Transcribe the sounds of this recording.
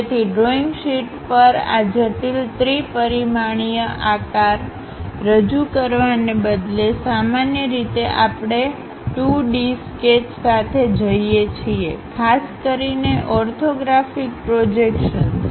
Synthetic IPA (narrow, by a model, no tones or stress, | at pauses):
d͡ʒet̪ʰiɖɾoiŋɡʃiʈpəɾa̰d͡ʒəʈilt̪ɾipəɾimaɳ̃ijəʔakaɾː | əd͡ʒukəɾʋanebəd̪lesamanjəɾit̪eʔapɽ̃e | ʈuɖisket͡ʃsat̪ʰed͡ʒəijet͡ʃʰiekʰaskəɾineʔɔɾt̪ʰoɡɾafik̚pɾod͡ʒekʃən